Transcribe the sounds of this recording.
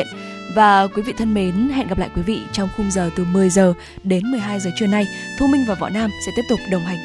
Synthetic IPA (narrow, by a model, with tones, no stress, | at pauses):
ən | vaː˨˩kwi˨˦vḭ˧˨t̪ʰə˧nme˨˦nɦɛ̰˧˨nɣa˨˩plaː˧˨jkwi˨˦vḭ˧˨t͡ɕɔ˧wŋ͡mxʊ˧ŋ͡mzəː˨˩t̪ɨ˨˩mɨ˨˩əjzəː˨˩ | ɗe˨˦nmɨ˨˩əjɦaː˧jzəː˨˩t͡ɕwəna˧jt̪ʰu˧ŋ͡mmï˧ŋ̟vaː˨˩wvɔ̰˧˨naː˧msɛ̰˧˥t̪i˦˥p̚t̪ʊ˨˩k͡p̚ɗə˨˩wŋ͡mɦa˨˩ŋ̟